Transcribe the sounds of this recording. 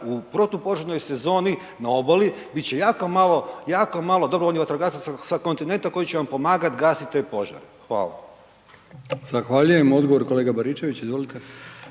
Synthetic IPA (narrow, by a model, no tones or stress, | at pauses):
upɾot̪upo̞ʒaɾno̞jse̞zo̞ːni | nao̞boli | bit̪t͡ɕe̞jaːkomalˠo̞jaːko̞maːlˠo̞d̪obɾoonjiʋat̪ɾoɡaːsassako̞nt̪ine̞nt̪ako̞jit͡ɕeʋampo̞maːɡat̪ɡaːsit̪t̪epo̞ʒa̰ɾexʋa̰ːlˠa̰ | z̥axʋaʎujemo̞d̪ɡoʋoɾkoleːɡabaɾit͡ʃeʋit͡ɕizʋolit̪e